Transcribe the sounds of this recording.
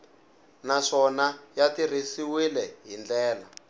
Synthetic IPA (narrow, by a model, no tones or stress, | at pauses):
naʂɔnajatirisiwilɛɦind͡ɮɛːla